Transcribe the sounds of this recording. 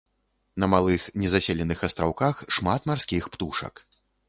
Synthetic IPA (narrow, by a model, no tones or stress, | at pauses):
nɐmalˠɨxnʲɛzasʲɛlʲɛnɨxɐst̪ɾawkaxʂmat̪marskʲixpt̪uʂɐ̰k